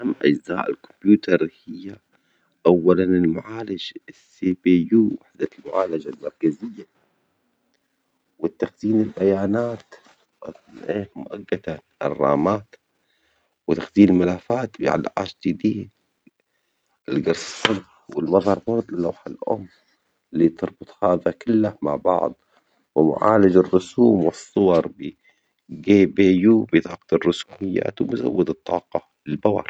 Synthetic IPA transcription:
amːʔa̰d͡ʒzaːʔɪ̰lkʊ̥mbjuːt̪ʰɑɾˤhɪjːa | ʔawːalanɪlmʊʕaːlad͡ʒsibejuːwaħd̪almʊʕaːlad͡ʒalmɑɾˤkazɪjːa | wɪt̪ːaxziːnalbajaːnaːt̪ | ʔeːmʊʔaɡːad̪aʔrˤːɑ̰ːmaːt̪ | wɪt̪axd̪iːmmalaːfaːt̪bɪʕa̰lʕa̰ːʃd͡ʒɪd̪iːd̪ | ɪlɡɑɾˤsɪ̥samħwɪlmɑðˤhɑɾˤbɑɾˤd̪ˤlawħalʔʊ̰mː | liːt̪ɨɾˤbʊt̪ˤhaːðakɪlːahma̰ʕbɑ̰ʕd̪ˤ | wɪmʊ̰ʕa̰ːlad͡ʒɑrːʊsuːmwɨsˤːʊwɑɾˤbi | ɡeːbeːjuːbɪt̪ˤɑːqɑ̥t̪ɑrːʊsuːmɪjːa̰ːt̪wɪmʊza̰wːɪd̪ɨt̪ˤːɑːqɑ | lɪlbawɑ̰ɾ

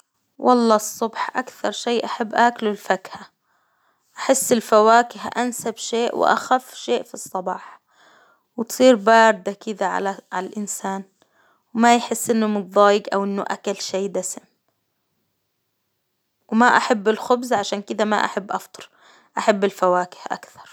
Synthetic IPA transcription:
wʔɑlˤːɑːsˤːʊbħʔa̰kθɑɾˤʃeːʔaħabːʔaːklʊlfakha | ʔaħɪsːɪlfawaːkɪhʔansabʃeːʔw̰ʔa̰xafːʃeːʔfisˤːɑbɑːħ | wt̪sˤiːɾbɑːɾd̪akɪd̪aʕa̰aʕalalʔɪnsaːn | wmajħɪsːʔɪnːʊmʊt̪̚ˤðˤɑːjɪɡʔa̰wʔɪnːʊʔa̰kalʃeːd̪asɪm | wmaʔaħabːɪlxʊbzaʕaʃaːnkɪd̪ama̰ʔa̰ħabːʔɑft̪ˤɨ̥ɾˤ | ʔaħabːɪlfawaːkɪ̥hʔa̰kθɑ̥ɾˤ

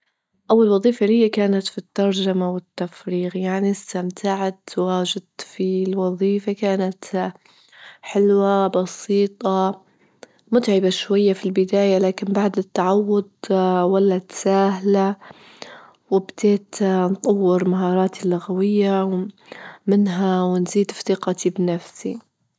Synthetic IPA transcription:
ʔawːalwɑðˤiːfalɪjːakaːnat̪fit̪ːɑɾˤd͡ʒamawɪt̪ːafɾiːɣjaʕnist̪amt̪ʰaʕat̪waːd͡ʒɪd̪̚t̪filwɑðˤiːfakaːnat̪ | ħɪlwabɑsiːt̪ˤɑ | mʊt̪ʕɪbaʃwajːafilbɪd̪aːjalaːkɪnbaʕd̪ɪt̪ːaʕawːʊd̪walːat̪saːɦla | wɪbd̪̥eːt̪nt̪ˤɑwːɪɾmaɦɑːɾˤɑːt̪ilːʊɣawɪjːaw | mɪnɦawɪnziːd̪fθɪqɑt̪ʰibnafsi

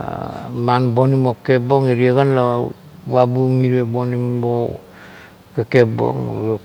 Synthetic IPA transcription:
manbonimokepoŋeɾiaɡanla | βabumiɾebonimo | kekep̚o̰ŋ̰o

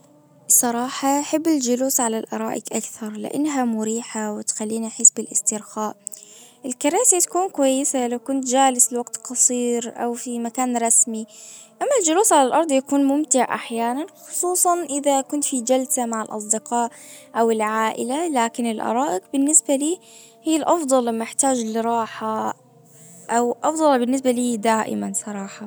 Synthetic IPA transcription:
bsˤɑɾˤɑːħɑʔħɪbːɪld͡ʒʊluːsʕalalʔɑ̰ɾˤɑːʔɪqʔakθɑɾˤlɪ̰ʔa̰nːɦamʊɾiːħawɪt̪xalːiːniʔħiːsbɪlʔɪst̪ɪɾxaːʔʔɪlkɑɾaːsit̪ḁkuːnkwajːɪsalawkʊnt̪d͡ʒaːlɪslwaɡ̚t̪qɑsˤiːɾʔa̰wfimakaːnɾˤɑsmiʔamːald͡ʒʊluːsʕalalʔɑɾˤd̪ˤjakuːnmʊmt̪ɪʕʔa̰ħjaːnanxʊ̥sˤuːsˤɑnʔɪðakʊnt̪fid͡ʒalsamaʕɪlʔɑ̰s̬ˤd̪ɪqɑːʔ | ʔawɪlʕaːʔɪ̰lalaːkɪnɪlʔɑ̰ɾˤɑːʔɪqbɪnːɪsbaliː | hijːalʔɑfd̪ˤɑlɪmːɪħt̪aːd͡ʒlɪɾˤɑːħa | ʔawʔɑfd̪ˤɑlbɪnːɪs̬baliːd̪aːʔɪ̰mansˤɑɾˤɑːħɑ

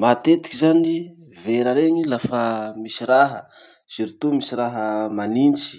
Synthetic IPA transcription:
mat̪et̪i̥kʲizani | veɾaɾeŋilafəmisiɾaɦə | z̥iɾit̪umisiɾaɦəmanint͡ʃi̥

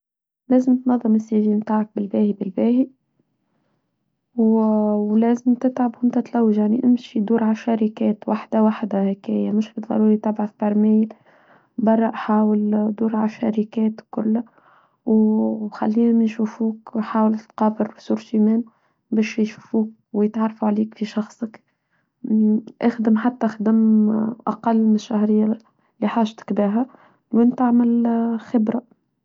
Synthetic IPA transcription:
læːzəmt̪nɑðˤːɨmɪsːiʒiːnmt̪aːʕɑk̚bɪlbæːhibɪlbæːhi | wwlæːzɪmt̪ɪt̪ʕabɪnt̪æt̪læwːəʒjaʕniʔɪmʃid̪uːɾʕaʃæɾikɛːt̪waħd̪awaħd̪ahækæːjamʊʃbəðˤɑ̰ɾuːɾit̪ɪbʕaθbɑɾˤmæːjl | bɑrˤːɑʔħaːwəld̪uːɾʕaʃa̰ɾikɛːt̪kʊlːæ | wxa̰lːiːnmnʃuːfuːkħaːwəlt̪qɑːbəɾbsuːɾʃimæːn | bɛːʃjʃufuːk̚wjət̪ʕɑrˤːɑfuʕaliːkfiʃɑxsˤək | ʔaxd̪əmħat̪ːæxd̪ɪmʔa̰qɑlːmɪʃːæhɾɪjːa | liħaːʃt̪ɪ̥kbæːɦæ | wʔɪnt̪aʕmɪlxɪbɾa

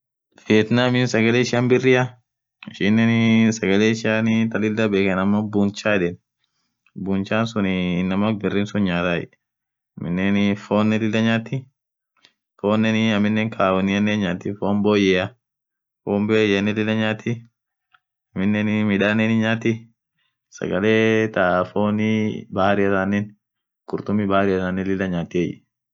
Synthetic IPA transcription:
feːt̪naːmɪnsɐɡɐleːʃɪanbɪrːɪɐ | ɪʃɪnːɛnsɐɡɐleːɪʃɪanɪt̪ɐlɪld̪ɐbeːkɛnɐmːɐbunt͡ʃaːᶑɛn | buːnt͡ʃaːnsʊnɪnːɐmɐk̚bɪrːɪːnsʊnɲaːt̪aːɛ̰ | ɐmɪnːenfoːnːɛdɪlːɐɲaːt̪ːɪ | foːnːɛnɪɐmːɪnːeːŋkʰaːwɔnɪɐnːeːnɲaːt̪ːɪfoːmboːjɛɐ | foːmbeːjɐnːɛlɪlːɐɲaːt̪ːɪ | ɐmɪnːɛnmɪᶑaːnenɪɲaːt̪ɪ | sɐ̰ɡɐleːt̪afoːnɪbaːɾɪɐsanːɛn | kʊɾt̪ʊmːɪbaːɾɪɐtaːnːɛlɪlːɐɲaːt̪ɪɛjɛ̰

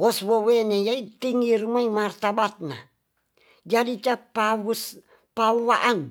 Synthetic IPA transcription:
ɔswowenejait̪iŋirumaimart̪abat̪̚na̰ | d͡ʒadit͡ʃapas | pawaʔan

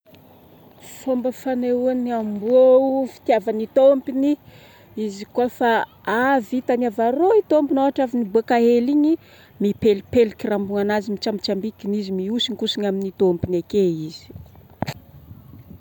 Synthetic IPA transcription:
fombəfaneuaniamboufi̥t̪iavanit̪ompini | izikuafa | avit̪anavaɾoit̪ompinoaʈ͡ʂavinibakaɦeliɲi | mipelipelikirambuŋanazimit͡ʃambit͡ʃambikinizimiusinkusiɲaminit̪ompinakeizi̥

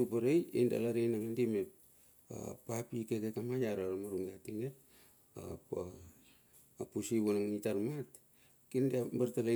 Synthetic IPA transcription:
upaɾejḛnda̰laɾenaŋandimep̚ | a̰papikekekamajaɾaɾamaɾuŋɡatiŋet̚ | a̰p | pusiβunaŋitaɾmat | kindeambartala

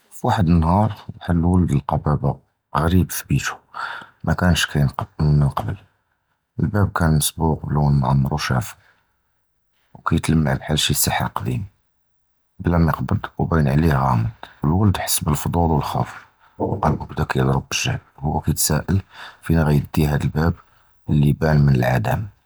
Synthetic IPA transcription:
fwaħəd̪ənːhɑɾˤwaħəd̪ːəwəld̪əlqɑbæba | ɣɾibfbit̪u̥mʔækænʃkæjnənqɑbəl | ʔəlbæb̚kænːəsbuqbluwnʕɑ̰mːəɾˤuʃæ̰f | wkæjət̪ləmːaʕlħalːʃisːɑħa̰qɑd̪im | blæmjəqbəd̪wbænʕlihɣɑməd̪əlwæld̪ħə̥sːbəlfd̪ˤud̪wəlxɑ̰f | wʔɑlməbd̪ækæjəd̪ˤɾˤəbːəʒæhlhʊwːækæjt̪sæʔəlfinɣæjd̪ːiɦæd̪əlbæb | əlːibænmənəlʕad̪æm

